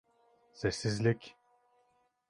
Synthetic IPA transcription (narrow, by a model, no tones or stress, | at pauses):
sesizlʲikʲ